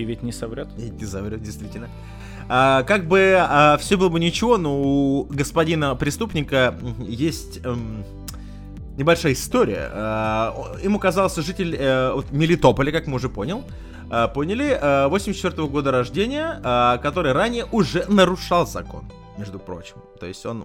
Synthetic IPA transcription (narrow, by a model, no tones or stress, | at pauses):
vʲɪtʲnʲɪsɐvɾʲot̪vʲetʲnʲɪsɐvɾʲot̪̚dʲɪjst̪vʲitʲɪlʲnə | əkaɡ̚bɨəfsʲobɨlˠəbɨnʲɪt͡ɕɪvo̞no̞ʊɡəspɐdʲinəpɾʲɪst̪upnʲɪkəjesʲtʲ | nʲɪbɐlʲʂajəɪst̪o̞ɾʲɪ̰jə̰ə | imukɐzɑlˠsʲʐɨtʲɪlʲəo̞t̪mʲɪlʲɪt̪o̞pəlʲɪkakmɨʊʐɛpo̞nʲɪlˠ | əpo̞nʲɪlʲɪvosʲmʲsʲt͡ɕːɪt̪ʲort̪əvəɡo̞d̪əɾɐʐdʲenʲɪjəəkɐt̪o̞ɾɨjɾanʲɪjəʔʊʐɛnəɾʊʂɑlˠzɐ̰ko̞̰n | mʲe̞ʐd̪ʊpɾo̞̰t͡ɕɪmt̪o̞jɪsʲtʲo̞̰n